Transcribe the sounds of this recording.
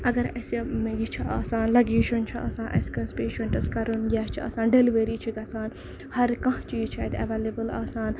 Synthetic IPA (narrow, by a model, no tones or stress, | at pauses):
ɐɡɐɾɐsimejit͡ʃʰiaːsaːnlɐɡeːʃɐnt͡ʃʰia̰ːsãːnʔɐ̰skɐspeːʃɐɳʈɐskɐɾunjaɦt͡ʃʰiɐ̰ːsaːnɖeliʋeɾiːt͡ʃʰiɡɐsaːn | hɐɾkɐ̃ɦt͡ʃiːt͡ʃʰɐt̪ʰɐ̰ʋaːlebəla̰ːsaːn